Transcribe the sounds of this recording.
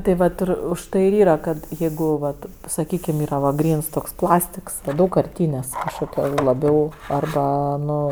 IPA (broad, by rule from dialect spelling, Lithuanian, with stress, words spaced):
tɐɪ ˈʋɐt ɪr ʊʃˈtɐɪ ɪr ˈiːrɐ kɐt jɛɪɡʊ ʋɐt sɐˈkʲiːkʲɪm ˈiːrɐ ʋɐ ˈɡrʲiːns toːks ˈplˠɑːsʲtʲɪks ˈdɐʊkkɐrʲˌtʲiːnʲeːsʲ kɐʃkoːˈkʲoː lˠɐˈbʲɛʊ ɐrˈbɐ ˈnʊ